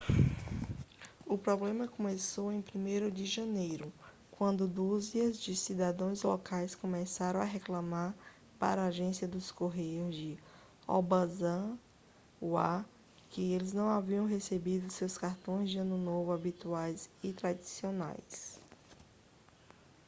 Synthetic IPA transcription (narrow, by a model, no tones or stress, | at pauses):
ʊpɾɔblẽmɐkõmesowẽj̃pɾimejɾʊd͡ʒɪʒɐ̃nejɾʊ | kwɐ̃nd̪ʊd̪uziɐzd͡ʒɪsid̪ad̪ɐ̃w̃j̃zlɔkajskõmɛsaɾɐ̃w̃aɦeklɐ̃maɾ | pa̰ɾaːʒẽsiɐd̪ʊskoɦejʊzd͡ʒɪ | ɔ̰bazɐ̃ | ua̰ | kɪelɪznɐ̃w̃aviɐ̃w̃ɦesebid̪ʊsewskaɾt̪õj̃zd͡ʒɪɐ̃nʊnovʊabit̪uajsɪt̪ɾad͡ʒisiona̰js